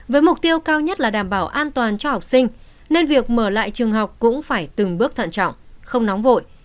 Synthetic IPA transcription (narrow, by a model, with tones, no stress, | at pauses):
vəː˨˦jmʊ˨˩k͡p̚t̪i˧əwkaː˧wɲə˦˥t̚laː˨˩ɗaː˧˩mɓaː˧˩wʔaː˧nt̪waː˨˩nt͡ɕɔ˧ha˨˩wk͡p̚sï˧ŋ̟ | ne˧nvi˨˩ək̚məː˧˩la̰ː˧˨jt͡ɕɨ˨˩əŋɦa˨˩wk͡p̚kʊ̰˧˥ŋ͡mfaː˧˩jt̪ɨ˨˩ŋɓɨ˦˥ək̚t̪ʰə̰˧˨nt͡ɕɔ̰˧˨wŋ͡mxə˧wŋ͡mnɔ˨˦wŋ͡mvo̰˧˨j